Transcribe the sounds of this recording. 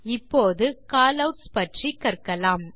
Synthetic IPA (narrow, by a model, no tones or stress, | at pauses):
ɪpːoːðɯkaːlɐʈspɐʈrikːɐɾkɐlaːm